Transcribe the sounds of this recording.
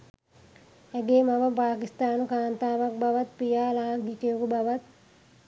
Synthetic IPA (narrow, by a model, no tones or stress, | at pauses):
ɛɡeːmaʋəpaːkist̪aːnukaːnt̪aːʋak̚baʋat̪pijaːlaːaŋɡiʈijokubaʋat̪̚